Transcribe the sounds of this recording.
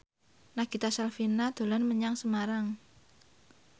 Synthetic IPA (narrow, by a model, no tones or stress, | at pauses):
naɡ̥it̪asalfinad̪̥o̤lanməɲaŋsəmaɾaŋ